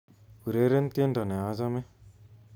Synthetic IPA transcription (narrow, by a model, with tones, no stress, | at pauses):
u˨ɾe˦ɾe˦nt̪e˦nɖa˨ne˨a˦za˦me˦